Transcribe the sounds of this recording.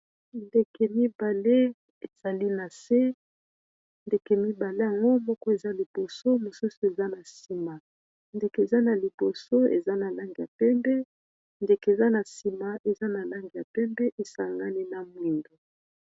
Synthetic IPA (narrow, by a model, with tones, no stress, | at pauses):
nde˨ke˨mi˦ba˨le˦ | e˨z̥a˨li˦na˨se˦ | nde˨ke˨mi˦ba˨le˦a˨ŋɡo˦mɔ˦kɔ˦e˨za˦li˨bo˨so˦mo˨su˦su˨e˨za˦na˨si˨ma˨ | nde˨ke˨e˨za˦na˨li˨bo˨so˦ḛ˨za˦na˨la˦ŋɡi˨ja̰˨pɛ˦mbɛ˦ | nde˨ke˨e˨za˦na˨si˨ma˨ʔe˨za˦na˨la˦ŋɡi˨ja˨pɛ˦mbɛ˦ʔe˨sa˨ŋɡa˦ni˦na˨mwi˨ndo˨